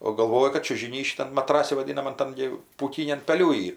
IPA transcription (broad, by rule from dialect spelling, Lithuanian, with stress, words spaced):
oː ɡɐlˠˈʋoːjɛ kɐt t͡ʃʲʊʒʲɪˈnʲiː ʃʲɪˈtɐm mɐˈtrɑːsʲɪ ʋɐˈdʲiːnɐmɐn ˈtɐm ɡʲɪ puːˈkʲɪnʲɛm pɐˈlʲuː ˈiːr